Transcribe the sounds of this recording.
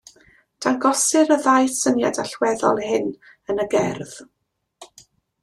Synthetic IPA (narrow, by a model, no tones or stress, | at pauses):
d̥anɡɔsɨɾəðajsənjadaɬwɛðɔlˠhɪn | ənəɡɛrð̥